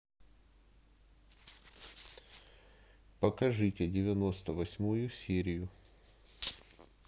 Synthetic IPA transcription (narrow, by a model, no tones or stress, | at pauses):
pəkɐʐɨtʲɪdʲɪvʲɪno̞st̪əvɐsʲmujʊsʲeɾʲɪjʊ